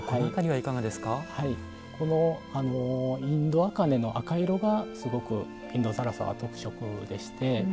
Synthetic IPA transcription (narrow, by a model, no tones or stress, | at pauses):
hait̪aɾʲiβaikaɡad̪e̞sɨ̥kahai | kʰo̞no̞ano̞ĩnd̪o̞akane̞no̞ʔakaiɾo̞ɡasɨɡo̞kɯ̟ | ĩnd̪o̞saɾasa̰βa̰t̪o̞kɯ̟̥ɕo̞kɯ̟d̪e̞ɕi̥t̪e̞